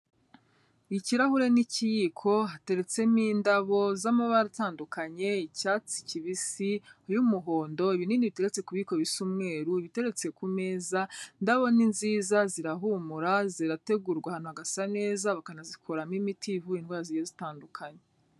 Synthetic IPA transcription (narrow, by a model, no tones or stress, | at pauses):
iciɾahuɾe̞nicijikʰo̞ɦate̞ɾe̞t͡se̞miːndaβo̞zamoβaɾitaːndukʰaɲe̞icaːt͡si̥ciβisiujumuɦo̞ːndo̞iβininiβite̞ɾet͡se̞kuβiko̞βisumŋe̞ːɾuiβite̞ɾe̞t͡se̞kume̞ːzandaβo̞ninziːzaziɾaɦumuɾaziɾate̞ɡuɾɡwahaːn̥uhaɡasane̞ːzaβakanazikʰo̞ɾamimitʰivuinwaːzijezitaːndukʰaɲe